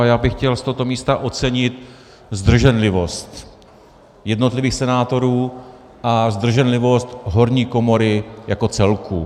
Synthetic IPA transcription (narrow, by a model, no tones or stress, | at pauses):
ajaːbɪxcɛlst̪oɦot̪o̞miːst̪aʔo̞t͡sɛɲɪt̪ | zd̪r̩ʒɛnlɪvo̞st̪ | jɛdno̞t̪lɪviːxsɛnaːt̪o̞ɾuː | ʔazd̪r̩ʒɛnlɪvo̞st̪ɦo̞ɾɲiːko̞mo̞ɾɪjako̞t͡sɛlkʰu